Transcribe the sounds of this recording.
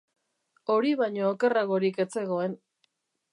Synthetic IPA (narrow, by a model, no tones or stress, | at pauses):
o̞ɾiβaɲoːke̞raɣo̞ɾike̞t͡se̞ɣo̞e̞n